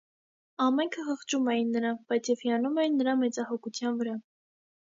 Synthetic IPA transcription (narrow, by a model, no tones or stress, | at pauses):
ɑmɛŋkʰəhəχt͡ʃumɛjinːəɾɑb̥ɑjt͡sʰjɛviɑnumɛjinːəɾɑmɛt͡sɑhɔkʰut͡sʰjɑnvəɾɑ